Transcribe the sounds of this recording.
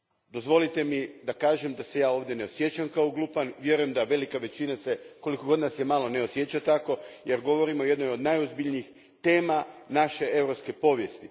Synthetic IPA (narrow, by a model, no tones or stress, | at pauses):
d̪o̞zʋo̞lit̪e̞mid̪akaːʒemd̪ase̞jaːo̞ːʋd̪je̞ne̞o̞sje̞t͡ɕamkaoɡlˠuːpanʋje̞ɾujemd̪aʋe̞likaʋe̞t͡ɕinase̞ko̞likoɡo̞d̪nasjemaːlˠo̞ne̞osje̞t͡ɕat̪ako̞je̞ɾɡo̞ʋo̞ɾimoje̞d̪nojo̞d̪najozbiʎniːx | t̪e̞ːmanaʃe̞e̞ʋɾopske̞po̞ːʋje̞st̪i